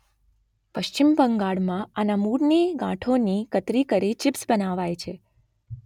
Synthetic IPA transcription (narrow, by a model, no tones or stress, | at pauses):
pəʃt͡ʃimbəŋɡaɭmãanamuɽniɡã̰ʈʰonikət̪ɾikəɾit͡ʃɪpsbənaʋajt͡ʃʰe